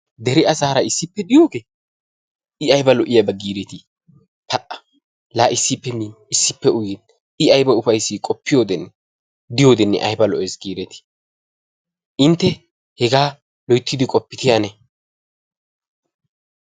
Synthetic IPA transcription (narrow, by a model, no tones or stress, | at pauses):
d̪ɛɾɪɐzaːɾɐɪsːɪpːɛd̪ɪjoːɡeː | ɪɐjbɐlɔʔɪjɐbɐɡiːɾɛt̪ɪ | pʰɐʔɐ̥ | laːʔɪsːɪpːɛmiːn | ɪsːɪpːɛʊjɪn | ɪɐjbɐʊfɐjsːɪkʼɔpːɪjoːd̪ɛnː | d̪ɪjo̞ːd̪ɛnːɛ̰ʔɐ̰jbɐlɔʔɛsɡiːɾɛt̪ɪ̥ | ʔɪnt̪ːɛ | hɛɡaː | lɔjt̪ːɪd̪ɪkʼɔpːɪt̪ɪɐnɛ